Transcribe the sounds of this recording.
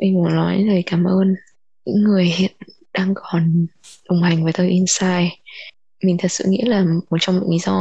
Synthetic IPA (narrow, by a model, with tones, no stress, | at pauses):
ʔa˧ŋkṵ˧˩nɔ˨˦jzəː˨˩jkaː˨˦mʔəː˧n | ɲɨ̰˧˥ŋːɨ˨˩əjhḛ˧˩ət̚ | ɗaː˧ŋkɔ˨˩nɗə˨˩wŋ͡mha˨˩jŋ̟vəː˨˦jt̪əː˧jʔi˧nsaː˧j | mï˨˩ŋ̟t̪ʰə˨˩t̚sɨ̰˧˨ŋḭ˧˥laː˨˩mo˨˩t̚t͡ɕɔ˧wŋ͡mḭ˧˨ŋʔli˨˦zɔ˧